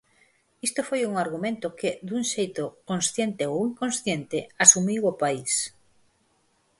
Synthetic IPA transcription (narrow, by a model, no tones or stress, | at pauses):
ist̪ofojuŋaɾɣumẽnt̪ʊkɪðuŋʃejt̪okõnsθjent̪eowiŋkõnsθjent̪ɪasumiwʊpais